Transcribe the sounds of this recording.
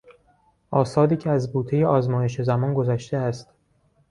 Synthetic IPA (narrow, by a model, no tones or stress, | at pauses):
ʔɒːsɒːd̪iːcʰeæzbuːt̪ʰejeʔɒːzmɒːje̞ʃezæmɒːnɡo̞zæʃt̪eæst̪